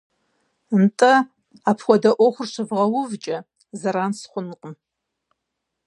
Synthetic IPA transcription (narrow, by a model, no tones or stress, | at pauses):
mtʼɐ | apʰwʷɔdɐʔʷoχʷʊrʃʷɨvʁɐwʊvt͡ʃʼɐ | zɐɾaːnsχʷʊnqʼəm